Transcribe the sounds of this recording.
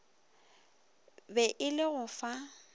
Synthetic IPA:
bɛʔɪlɪɣʊfa

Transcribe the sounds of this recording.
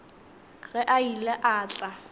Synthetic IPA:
ɣɛʔailɛʔaːt͡ɬʼa

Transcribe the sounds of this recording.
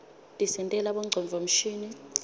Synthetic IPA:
tʼisɛntʼɛlaɓɔŋ͡ǀʱɔɱvʱom̩ʃiːni

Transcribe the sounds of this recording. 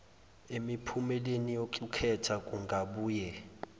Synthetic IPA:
emipʰumɛlenijoǃukʰɛtʰakʼuŋɡʱaɓuːjɛ

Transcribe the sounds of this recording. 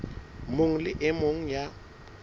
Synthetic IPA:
moŋ̩lɪʔɪmoŋ̩ja

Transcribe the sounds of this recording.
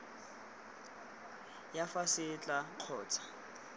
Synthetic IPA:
jafasɪt͡ɬʼaq͡χʰɔːt͡sʰḁ

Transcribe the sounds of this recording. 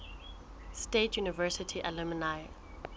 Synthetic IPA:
stetʰjunivɛsitʰiʔalɛminaj

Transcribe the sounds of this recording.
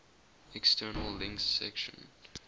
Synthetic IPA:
ɛkstʰɜːnəllɪ̃ŋkθsɛ̰kʃə̰̃n

